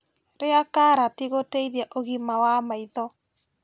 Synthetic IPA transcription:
ɾeakaɾatiɣoteiðjaʔoɣimawamaiðɔ

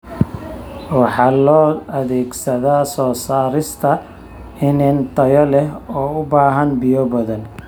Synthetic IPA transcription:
wɑħɑːlɔːʔɐðɛːɡsɐðaːsɔːsaːɾɪst̪ʰɐ | ɪnɪnt̪ʰɐjɔlɛɦɔːʊbaːɦɐnbɪjɔbɐðɐn

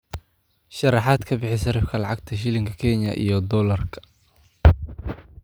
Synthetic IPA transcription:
ʃɐrɑħaːd̪kʰɐbɪħɪsɐɾɐfkʰɐlɑʕɑɡ̚t̪ʰɐʃ̬ɪlɪŋkʰɐkʰɛnɐ̰ʔḭjɞd̪ɔlɐrkʰɐ̥

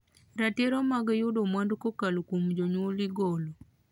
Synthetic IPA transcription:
ɾateɾɔmaɡjʊdomwandkokalokumd͡ʒoɲoliɡolo

